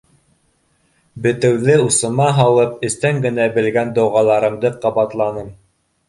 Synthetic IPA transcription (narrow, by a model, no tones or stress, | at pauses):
bɘ̆t̪ɘ̆wðɘusɤ̆mɑɦɑlˠɤp̚ɘ̆st̪æŋɡɘ̆næbɘ̆lɡænd̪ŏwʁɑlˠɑɾɤ̆md̪ɤqɑβɑt̪lˠɑnɤm